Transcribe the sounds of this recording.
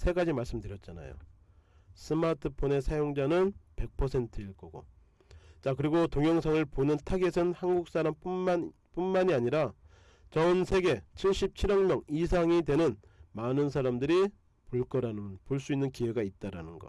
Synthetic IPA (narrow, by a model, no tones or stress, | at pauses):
sʰe̞ɡad͡ʑimaɭs͈ɯmdɯɾjʌt̚t͡ɕ͈ana̰jo̰ | s͈ʰɯmatʰɯpʰone̞sʰajoŋd͡ʑanɯnpe̞k̚pʰʌsʰe̞ntʰɯiɭk͈ʌɡo̰ | t͡ɕakɯɾiɡotoŋjʌŋsʰaŋɯɭponɯntʰaɡesʰɯnhanɡuk̚s͈aɾampua | p͈unmaɲiaɲiɾa | t͡ɕʌnsʰe̞ɡe̞t͡ɕʰiɭɕ͈ip̚t͡ɕʰiɾʌŋmjʌŋis̬ʰaŋidwe̞nɯnmanɯnsʰaɾamdɯɾi | poɭk͈ʌɾaɯpoɭs͈uinːɯnkiwe̞ɡait̚t͈aɾa̰nɯnɡʌ̰